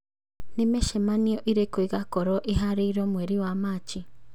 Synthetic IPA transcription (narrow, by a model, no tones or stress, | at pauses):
nemeʃemaniɔʔiɾekoiɣakɔɾɔʔiɦaɾeiɾɔmweɾiwamat͡ʃi